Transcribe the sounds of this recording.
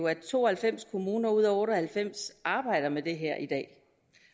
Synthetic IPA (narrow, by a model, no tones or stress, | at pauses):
oæt͡sʰo̝̰ːɒhælfem̰skʰo̝muːnɐuð̞̰ˠɔ̽ːɾɒhælfem̰sɑ̈ːb̥ɑ̈ɪ̰ɾ̥ɐmed̥e̝ɦæɐ̰ʔid̥ɛ̰ː